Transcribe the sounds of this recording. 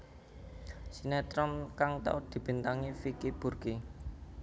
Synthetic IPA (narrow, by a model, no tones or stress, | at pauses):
sinɛt̪ɾɔmkaŋt̪a̰ud̪̥i̤b̥i̤nt̪aŋifikib̥urɡi